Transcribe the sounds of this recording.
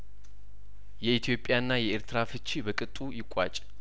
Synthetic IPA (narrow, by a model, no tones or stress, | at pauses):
jɛit̪ʰijo̞pʼːjanːajɛeɾt̪ʰɨɾafɨt͡ʃʼːibəkʼɨt̪ʼujɪkʷʼːa̰t͡ʃʼ